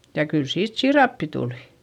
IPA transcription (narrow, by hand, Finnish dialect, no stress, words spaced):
jɑ kyl siːt siːrɑpːi tuli̥